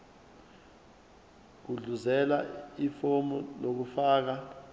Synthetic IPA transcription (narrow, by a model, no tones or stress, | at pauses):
k̬uɮuzɛlaifomɔlok̬ufaːk̬a